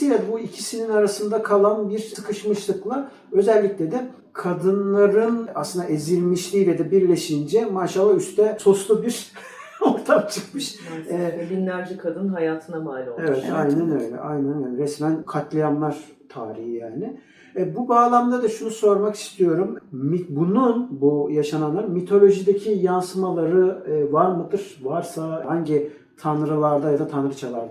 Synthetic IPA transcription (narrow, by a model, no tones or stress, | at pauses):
sijad̪buicʰisininaɾasɯnd̪akʰalˠanbiɾɯkʰɯʃmɯʃlˠɯklˠa | ø̞zɛlʲːicʲlʲɛd̪ɛ | kʰad̪ɯnlˠaɾɯna̰slˠɯnd̪aʔezilʲmiʃlʲiːlʲɛd̪ɛbiɾlʲe̞ʃind͡ʒɛmaːʃalˠːayst̪ʰɛso̞slˠubiɾ | o̞ɾt̪ʰamt͡ʃʰɯkmɯʃɛbinlʲæɾd͡ʒikʰad̪ɯnɦajaːt̪ʰɯnamaːlʲoevɛt̪ajnænø̰jlʲɛ̰ʔa̰jnænɛnɾɛsmænkʰat̪ʰlˠajanlˠaɾ̥ | t̪ʰaːɾihijaːnɪ | bubaːlˠamd̪ad̪aʃunuso̞ɾmaki̥st̪ijo̞ɾummibununbujaʃananlˠaɾmit̪ʰo̞lʲo̞ʒid̪ecʰijansɯmalˠaɾɯːvaɾmɯd̪ɯɾ̥vaɾsaɦaɲɟɪ | t̪ʰanɾɯlˠaɾd̪ajad̪at̪ʰanɾɯt͡ʃʰalˠaɾd̪